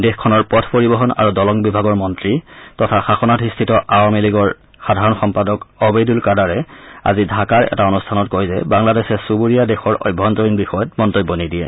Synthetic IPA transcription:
dexkʰɔnɔɹpɔtʰpoɹibɔɦɔna̰ɹudɔlɔŋbibʱaɡɔɹmɔntɹitɔtʰaxaxɔnatʰistʰitɔʔawamiliɡɔɹ | xadʱaɹɔnxɔmpadɔkɔbejdulkadaɹɛa̰zidʱakaɹɛ̰taɔnustʰanɔt̚kojzɛ̰baŋladesɛsubuɹijadɛxɔɹʔɔ̰jbʱːɔntɔɹinbixɔjɔtmɔntojbːɔnidiɛ̰

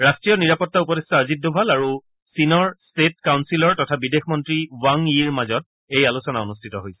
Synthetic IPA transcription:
ɹastɹijɔniɹapɔtːaupɔdestaazidːɔbʱalaɹu | sinɔɹstetkawnsilɔɹtɔtʰabidexmɔntɹiwaŋiɹmazɔt̚ | ejalusɔnaonustʰitɔɦojsɛ̥

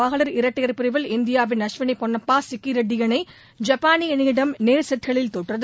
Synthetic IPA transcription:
aɣɐɭɐɾɪɾɐʈːɐjɐɾpɪɾɐɪʋɪlɪnd̪ɪjaːʋɪnɐʂʋɪnɐpːɔɳːɐpːaːsɪkːiɾɐɖːɪjɐnɐɪ | d͡ʒɐpːaːnɪjɐniːɽɐmneːɾsɛʈkɐɭɪlt̪oʈrɐð

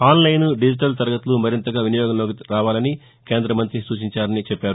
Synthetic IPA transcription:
aːnlɐjnuɖid͡ʒiʈɐlt̪ɐɾɐɡɐt̪ulumɐɾint̪ɐɡaːʋinijɔːɡɐmloːkiɾaːʋaːlɐni | ke̞ːnd̪ɾɐmɐnt̪ɾisuːt͡ʃiɲt͡ʃaːɾɐnit͡ʃɛpːaːɾu

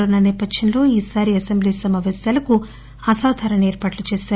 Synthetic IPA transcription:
unːɐnɛːpɐd̪ʃɐnlo̞ːiːsaːɾiɐsembliːsɐmaːʋeːsjaːlɐku | ɐsaːd̪ʱaːɾɐneːɾpaːʈlut͡ʃeːʃaːɾu

